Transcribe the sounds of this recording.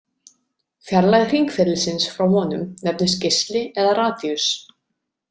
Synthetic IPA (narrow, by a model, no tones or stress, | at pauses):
fjaɾlajɣðr̥iŋkfɛɾlɪsɪnsfɾawhɔːnʏmnɛp̚nɪscɪst̪lɪɛðaɾaːθjʏs